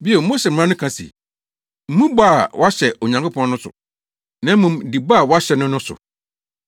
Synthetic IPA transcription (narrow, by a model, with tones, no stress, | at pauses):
bi˦ɛ˨˦mo˦ɕɛ˨m̩˨˦ã˦nʊ̃˦kʰã˨sḭ˨ | m̩˦mũ˦ba˦a˨wʔɔ˦a˦ɕɛ˨o˨ɲã˨ŋko˦pʰɔ̃˦nʊ̃˦sʊ̰˨ | nã˨˦mũ˨m˨di˨ba˦˨wɔ˦a˦ɕɛ˨nʊ̃˦nʊ̃˦sʊ̰˨